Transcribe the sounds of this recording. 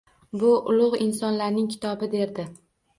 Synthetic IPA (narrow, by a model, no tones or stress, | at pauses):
bʊʔʊlˠʊʁɪnsɒnlaɾnɪŋkʲʰɪ̥t̪ʰɒbɪd̪e̞ɾd̪ɪ